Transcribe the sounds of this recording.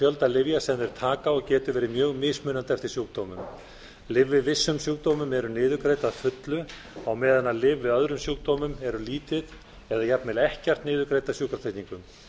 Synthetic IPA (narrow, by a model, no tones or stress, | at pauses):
fjœlt̪alɪvjasɛmnɛɾ̥t̪ʰaːkaɔɣcɛːt̪ʏvɛːɾɪmjœːɣmɪsmʏːnant̪ɛft̪ɪɾ̥sjuːkt̪oːwmʏm | lɪvːɪðvɪsːʏmsjuwk̚t̪oːmʏmɛɾʏnɪːðʏkɾeːjt̪aðfʏt̪lʏ | awmɛːðanalɪvːɪðœðɾʏmsjuːkt̪oːmʏmɛɾʏliːt̪ɪð | ɛðajap̪mɛlɛhcɛr̥t̪nɪːðʏkɾeːjt̪asjuːkɾast̪ejht̪niŋkʏm